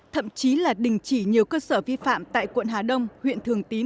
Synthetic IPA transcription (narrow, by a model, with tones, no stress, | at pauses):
t̪ʰə̰˧˨mt͡ɕi˨˦laː˨˩ɗï˨˩ŋ̟t͡ɕi˧˩ɲi˨˩əwkəː˧səː˧˩vi˧fa̰ː˧˨mt̪a̰ː˧˨jkwə̰˧˨nɦaː˨˩ɗə˧wŋ͡mhwḭ˧˨ənt̪ʰɨ˨˩əŋt̪i˨˦